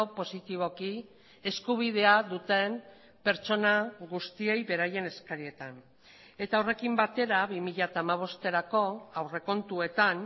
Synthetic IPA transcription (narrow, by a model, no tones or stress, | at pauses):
opo̞sit̪iβ̞o̞ki | e̞skuβ̞ið̞e̞aðut̪e̞m | pe̞ɾt͡ʃo̞naɣust̪ie̞jβe̞ɾaje̞ne̞skaɾie̞t̪an | e̞t̪awre̞kimbat̪e̞ɾaβimiʎat̪aːmaβ̞o̞st̪e̞ɾako̞awre̞ko̞nt̪ue̞t̪an